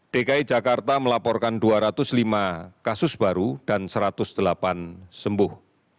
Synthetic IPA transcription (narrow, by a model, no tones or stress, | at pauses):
ɖ̥ekaid͡ʒakart̪aməlapɔrkanduaɾat̪ʊslimakasʊsb̥aɾud̥ansəɾat̪ʊsd̪̥əlapansəmbʊh